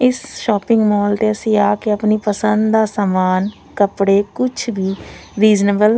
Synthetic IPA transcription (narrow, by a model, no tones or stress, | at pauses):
ɪsʃɔːpɪ̃ŋɡmɔːlt̪eːəsĩːaːkeəpniːpəsə̃nd̪d̪aːsamaːn | kəpɽeːkʊt͡ʃʰbiːɾiːd͡ʒneːbəl